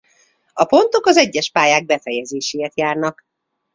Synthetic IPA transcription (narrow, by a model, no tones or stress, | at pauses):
ɒpo̞nt̪o̞kɒzɛɟːɛʃpaːjaːɡ̚bɛfɛjɛzeːʃeːjɛt̪jaːrnɒk